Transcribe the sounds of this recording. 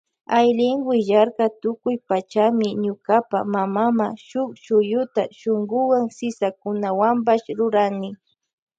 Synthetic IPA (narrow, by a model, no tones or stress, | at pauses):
ajlɪŋɡwɪʒaɾkat̪ʊkʊjpat͡ʃamɪɲʊkapa̰mamamaʃʊkʃʊjʊt̪aʃoŋɡʊwaŋsɪsakʊnawampaʃɾʊɾaŋnɪ